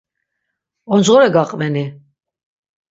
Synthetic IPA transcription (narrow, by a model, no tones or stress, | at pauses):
ɔnd͡ʒʁɔɾɛɡaqʼvɛni